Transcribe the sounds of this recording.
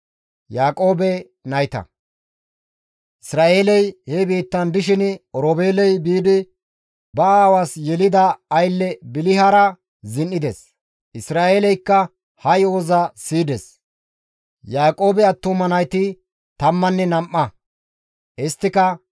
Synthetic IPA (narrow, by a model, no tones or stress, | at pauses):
jaːkʼo̞ːbɛ | nɐjt̪ɐ̰ | ʔɪsɾaːʔe̞ːlɛjhɛbiːt̪ːɐnd̪ɪʃ̬ɪnɔɾoːbeːlɛjbiːd̪ɪ | bɐaːwaːsjɛlɪd̪ɐɐjlːɛbɪlɪɦɐɾɐ | zɪnːɪd̪ɛs | ɪsɾaːeːlɛjkːɐ | hɐjoːzɐsiːd̪ɛs | jaːkʼo̞ːbɛɐt̪ːʊmɐnɐjt̪ɪ | t̪ɐmːɐnːɛnɐmʔːɐ | ʔɪst̪ːɪkɐ